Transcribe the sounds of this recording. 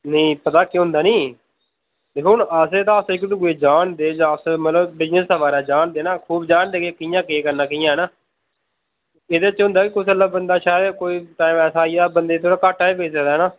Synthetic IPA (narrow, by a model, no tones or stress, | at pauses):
nəĩːpət̪aːkiɦʊ̃nd̪aːnĩː | t̪eːkʊɳəseːt̪ãːəsɪkːt̪ːɡeːd͡ʒaːnd̪eːd͡ʒãːəsmət̪ləbbɪznəsəʋaːɾɛːd͡ʒaːnd̪eːnaːkʰuːbd͡ʒaːnd̪eːkekɪjãːkeːkəɾnaːkɪjãːɦɛːnaː | eːd̪eːt͡ʃɦʊ̃nd̪aːkɪkʊsʰələbənd̪aːʃaːd̪koːiːʈaːimɛːsaːibənd̪eːt̪ʰoːɽaːkaːʈːaːebeːseːd̪aɦɛːnaː